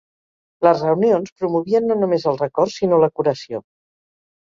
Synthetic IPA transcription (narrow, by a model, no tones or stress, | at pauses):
ləzrəwnionspɾumuβiənːonumezəlˠrəkɔrsinoləkuɾəsio